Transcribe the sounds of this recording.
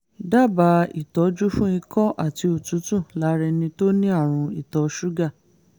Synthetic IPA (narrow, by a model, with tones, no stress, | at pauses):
da˦˨ba˧˦ḭ˦˨tɔ˨˦d͡ʒu˦fũ˦ĩ˧kɔ̃˦ʔa˦˨ti˧o˨tũ˨˦tũ˦˨la˨˦ɾɛ˧nĩ˧to˦nĩ˦a˦˨ɾ̃ũ˧i˨tɔ˨˦ʃu˦ɡa˦˨